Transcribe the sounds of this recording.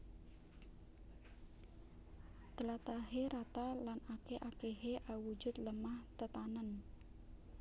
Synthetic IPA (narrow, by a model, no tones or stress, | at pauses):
t̪əlat̪aɦeɾat̪alanakeʔakeɦeʔawu̥d͡ʒ̥ʊt̪ləmaht̪ət̪anən